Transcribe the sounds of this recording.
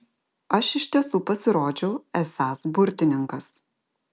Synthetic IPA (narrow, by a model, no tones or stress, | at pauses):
ɐʃɪʃʲt̪ʲiɛsuːpɐsʲɪɾoːd͡ʒʲɛʊɛsɑːsbʊɾʲt̪ʲɪnʲɪŋkɐs